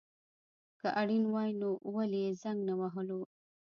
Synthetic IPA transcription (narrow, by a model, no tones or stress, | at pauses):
kaʔaɽinwɑjnoʔwalezaŋɡnawaɦəlo